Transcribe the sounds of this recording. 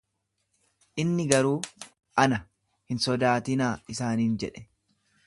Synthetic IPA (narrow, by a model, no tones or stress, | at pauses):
ʔɪnːɪɡɐɾuː | ʔɐnɐ | hɪnsɔd̪aːt̪ɪnaːɪsaːniːnd͡ʒɛᶑɛ̥